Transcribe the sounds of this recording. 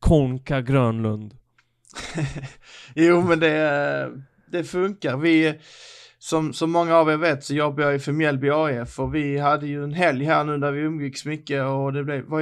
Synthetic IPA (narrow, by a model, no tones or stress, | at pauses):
kʰɔŋkaɡɾœːnlɵnd̪ | juːmɛnd̪ɛ | d̪̥ɛfɵŋkaɾvɪ | sɔmsɔmːɔŋːaːveːveːt̪sɔjɔbbajɑɛfɛmɛlbɪɑːɛfːœɾvɪɦad̪ːəjɵɛnɦɛljɦæːɾɳʉ̟ːd̪æɾvɪɵmːɡɪksɔmʏkːəɔd̪ɛblɛva